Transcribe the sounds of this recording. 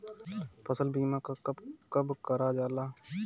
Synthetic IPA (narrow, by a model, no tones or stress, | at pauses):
pʰəsəlbiːmãkakəbkəɾad͡ʒaːlaː